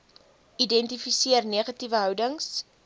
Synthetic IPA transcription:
idɛntifisiərniəχɐtivəɦœwdəŋs

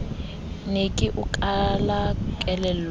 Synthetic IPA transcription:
nekʼiʔukʼalakʼɛlɛ

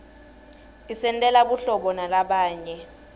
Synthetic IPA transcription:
isɛntʼɛlaɓuɬɔɓɔnalaɓaːɲɛ

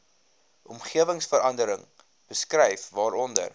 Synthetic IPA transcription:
ʔɔmχiəvəŋsfəɾɐndəɾəŋ | b̥əskrɛjfvɑːɾɔndə̰r

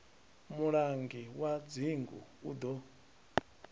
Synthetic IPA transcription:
muɺaŋɡiwad͡ziŋɡṵṵd̪ɔ

